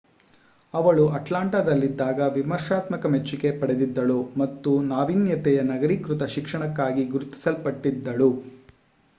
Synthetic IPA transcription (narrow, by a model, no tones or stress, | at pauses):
ɐʋɐɭuʔɐʈlaːɳʈad̪ɐlːid̪ːaːɡɐʋimɐɾʂaːt̪mɐkɐmet͡ʃːuke̞pɐɽed̪id̪ːɐɭumɐt̪ːunaːʋinjɐt̪ɛjɐnɐɡɐɾikɾut̪ɐʃikʂɐɳɐkːaːɡiɡuɾut̪i̥sɐlpɐʈːid̪ːɐɭu